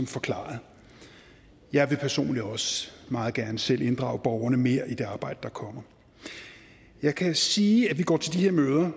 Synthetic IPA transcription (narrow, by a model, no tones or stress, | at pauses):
ɒ̽mfɒ̽kʰlɑ̰̈ðˠ | jɑ̈ɪʋe̝pʰæɐso̝̰ːnliɒ̽sə̥mɑ̈ːð̩ˠɡ̥æɐnəsel̰ʔe̝nd̥ʁɑ̈ʊb̥ɒʊɐnəme̝ːɐ̰ʔid̥e̝ɑ̈ːb̥ɑ̈ɪ̰d̥əd̥ɑ̈kʰɒ̽m̰ɐ | jɑ̈ɪkʰæsiːæʋiɡ̥ɒ̰ːt͡sʰe̝ld̥ihe̝ɐmøːð̞ˠɐ